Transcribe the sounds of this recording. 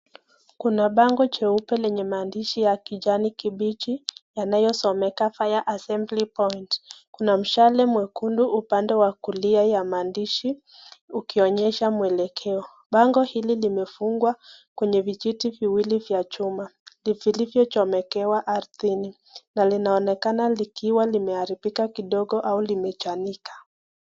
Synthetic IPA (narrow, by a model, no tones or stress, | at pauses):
kunaɓaŋɡɔt͡ʃɛupɛlɛɲɛmaːndiʃijakiʄanikiɓit͡ʃijanajɔsɔmɛkafajaʔasɛmblipɔjntkunam̩ʃalɛmwɛkunduʔupandɛwakuliajamaːndiʃi | ukiɔɲɛʃamuɛlɛkʰɛɔ | ɓaŋɡɔhililimɛfuŋɡwakwɛɲɛvit͡ʃitiviwilivjat͡ʃumalifilivjɔt͡ʃɔmɛkɛwaʔaɾθini | nalinaɔnɛkanalikiwalimɛaɾifikakiɗɔɠɔʔaulimɛt͡ʃanikḁ